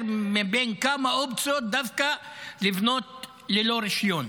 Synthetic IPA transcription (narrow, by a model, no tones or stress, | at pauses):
ɾmɪbeːnkamaʔʊb̚t͡sod̪afkalɪbnoːt̪ | lɪloːɾɪʃjoːn